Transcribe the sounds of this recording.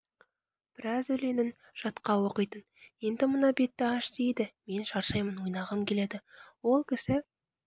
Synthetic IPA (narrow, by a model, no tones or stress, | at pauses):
b̥ɪɾɑzɵle̞nɪn | ʒ̥ɑt̪qɑwo̞qəjt̪ənje̞nd̪ɪmənɑbe̞t̪ːɪɑʃd̪ejd̪ɪme̞nʃɑɾʃɑjmənwojnɑʁɑmkʲʰe̞le̞d̪ɪwo̞lˠkʲʰɪsɪ